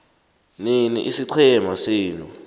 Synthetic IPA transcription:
ninḭʔisiǀʰɛmasiːnu

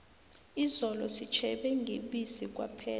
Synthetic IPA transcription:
izɔlɔsit͡ʃʰɛɓɛŋɡʱeɓisik̬ʼwa̰pʰɛː

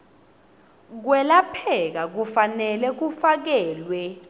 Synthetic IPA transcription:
k̬wɛlapʰɛk̬ak̬ufanɛlɛk̬ufak̬ɛːlwɛ

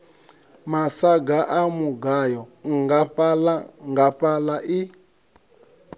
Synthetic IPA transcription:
masaɡaʔamuɡajɔŋɡapalaŋɡapalaʔi

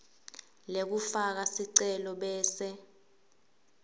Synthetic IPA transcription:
lek̬ufak̬asiǀɛlɔɓɛːsɛ

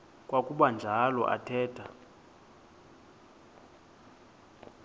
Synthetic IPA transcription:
kʼwakʼuɓand͡ʒʱalɔ̰ʔa̰tʰɛːtʰʼa

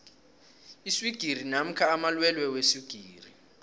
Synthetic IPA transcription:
isiɡ̥ʱir̤inam̩kʰaːmalwɛlwɛwesiɡ̥ʱiːri

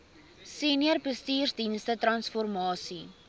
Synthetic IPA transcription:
siːniərbəstiːrsdinstətrɐnsfɔrmɑːsi

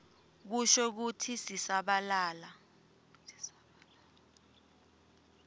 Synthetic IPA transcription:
k̬uʃɔk̬utʰisisaɓalaːla

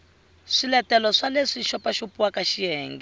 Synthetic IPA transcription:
ʂilɛtɛlɔʂaleʂiʃɔpaʃupuwakaʃiɛːŋɡɛ

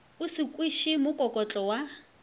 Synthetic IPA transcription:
ʊsɪkʼwiʃimʊkʼɔkʼɔt͡ɬʼɔwa

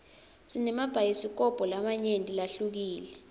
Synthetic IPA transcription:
sinɛmab̥ʱajisik̬ɔb̥ʱɔlamaɲentʼilaɬuk̬iːlɛ

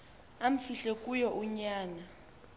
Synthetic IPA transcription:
am̩fiɬɛkʼujɔʔuɲaːna

